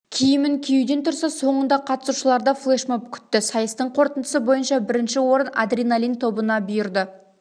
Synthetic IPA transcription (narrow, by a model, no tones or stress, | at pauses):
kʲʰijɪmɪnkʲʰejud̪e̞nt̪ʰʊɾsɑso̞ɴənd̪ɑqʰɑt̪ə̥suʃəlˠɑɾd̪ɑflˠeʃmopkʲʰʏ̥t̪ːɪsɑjəst̪əɴqʰo̞ɾt̪ənd̪əsəbo̞jənʃɑbɪɾɪnʃɪwo̞ɾəna̰d̪rʲijnalʲint̪ʰo̞bənɑbʏjɪɾd̪ə